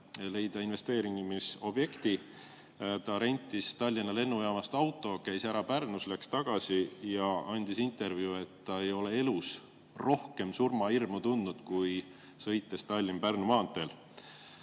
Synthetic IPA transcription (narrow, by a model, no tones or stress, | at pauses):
le̞jd̪ɑinve̞st̪e̞ːɾiŋɡmiso̞b̥je̞kt̪i | t̪ɑɾe̞nʲt̪ˑːist̪ɑlʲːinːɑle̞nːujɑːmɑst̪ɑwt̪ːˑo̞kæjsæɾɑpærnuslækst̪ɑɡ̥ɑsijɑʔɑnʲd̪̥isint̪e̞rvjue̞t̪ːɑe̞jo̞le̞e̞lus | ro̞hke̞msurmɑirmut̪und̪ud̪̥kuj | sɤ̞jt̪ːˑe̞st̪ɑlʲːimpærnumɑːnt̪ːˑe̞l